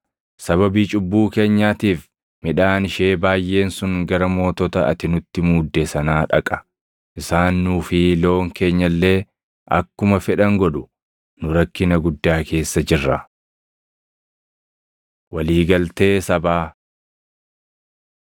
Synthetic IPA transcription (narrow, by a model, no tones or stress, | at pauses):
sɐβɐbiːt͡ʃʼʊbːuːke̞ːɲːaːt̪iːf | mɪᶑaːnɪʃeːbaːjʔe̞ːnsʊŋɡɐɾɐmo̞ːt̪ɔt̪ɐʔɐ̰t̪ɪnʊt̪ːɪmuːd̪ːesɐnaːᶑɐkʼɐ̥ | ʔɪsaːnːuːfɪlo̞ːŋke̞ːɲːɐlːe̞ː | ʔɐ̰kːʊmɐfɛᶑɐŋɡɔᶑʊ | nʊɾɐkːɪnɐɡʊd̪ːaːkʰe̞ːsːɐd͡ʒɪrːɐ | wɐliːɡɐlt̪e̞ːsɐbaː